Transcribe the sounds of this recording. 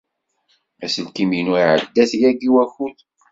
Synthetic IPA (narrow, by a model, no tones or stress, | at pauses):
æsəlkiminuiʕə̰d̪ːæθjæɡiwæxuθ